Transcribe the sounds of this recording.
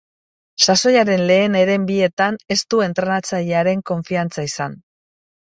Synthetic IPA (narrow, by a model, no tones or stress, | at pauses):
saso̞jaɾe̞nle̞ːne̞ɾe̞mbie̞t̪ane̞st̪ue̞nt̪ɾenat͡saʎeaɾe̞ŋko̞ɱfiant͡saisan